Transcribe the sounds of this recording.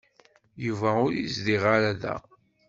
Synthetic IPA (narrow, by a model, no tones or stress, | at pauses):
juvæʊɾisd̪iʁaɾæðæ̰